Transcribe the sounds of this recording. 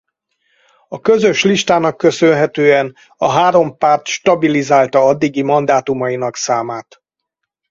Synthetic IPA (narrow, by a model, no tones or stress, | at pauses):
ɒkø̞zø̞ʃliʃt̪aːnɒkːø̞sønɦɛt̪øːɛn | ɒɦaːɾo̞mpaːrt̪ʃt̪ɒbilizaːlt̪ɒɒd̪ːiɡimɒnd̪aːt̪umɒjinɒksaːmaːt̪